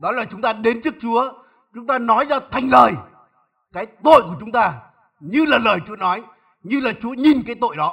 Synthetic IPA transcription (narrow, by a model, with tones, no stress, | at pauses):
ɗɔ˨˦laː˨˩t͡ɕʊ˨˦ŋ͡mt̪aː˧ɗe˨˦nt͡ɕɨ˦˥ək̚t͡ɕu˨˦ə | t͡ɕʊ˨˦ŋ͡mt̪aː˧nɔ˨˦jzaː˧t̪ʰa˨˩jŋ̟ləː˨˩j | kaː˨˦jt̪o̰˧˨jku˧˩ət͡ɕʊ˨˦ŋ͡mt̪aː˧ | ɲɨ˧laː˨˩ləː˨˩jt͡ɕu˨˦ənɔ˨˦j | ɲɨ˧laː˨˩t͡ɕu˨˦əɲi˨˩nkaː˨˦jt̪o̰˧˨jɗɔ˨˦